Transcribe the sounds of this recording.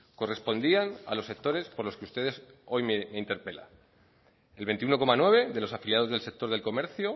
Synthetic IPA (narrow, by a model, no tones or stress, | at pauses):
ko̞re̞spo̞nd̪iana̰lo̞se̞k̚t̪o̞ɾe̞spo̞ɾlo̞skeust̪e̞ðe̞s | o̞jmeme̞int̪e̞ɾpe̞la̰ | elβe̞nt̪iuno̞komanwe̞β̞e̞ðe̞lo̞safiljaðo̞zðelse̞k̚t̪o̞ɾð̞elko̞me̞ɾθjo